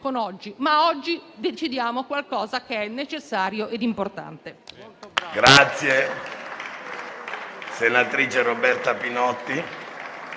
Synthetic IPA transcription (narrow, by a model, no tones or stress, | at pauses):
konɔd͡ʒːimaɔd͡ʒːid̪et͡ʃid̪jaːmokwalkɔːzakeɛnːet͡ʃesːaːɾjoʔed̪import̪a̰nt̪e | ɡɾat̪sːje | senat̪ɾiːt͡ʃerobɛrt̪apinɔt̪ːi